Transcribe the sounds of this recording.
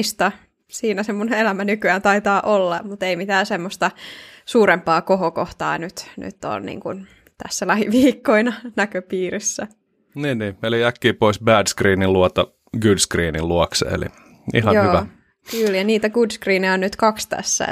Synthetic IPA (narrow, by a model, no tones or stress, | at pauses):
st̪ɑ | siːnæsemːuneelæmænykyænt̪ɑit̪ɑːʔolːɑmut̪eimit̪æːsemːost̪ɑsuːɾempɑːkoɦokoht̪ɑ̰ːnyt̪ny̰t̪ːo̰ːnnḭːŋkṵn | t̪æ̰sːælæhiʋiːkːoinɑnækøpiːrisːæ | niːnːiːeliækːiːpoisbæːdskriːniluɑt̪ɑ | ɡudskriːnilluɑksḛḛlḭ | ḭhɑjnohyːʋæ | kyljɑniːt̪æɡudskriːniɑonnyt̪kɑkst̪æ̰sːæ̰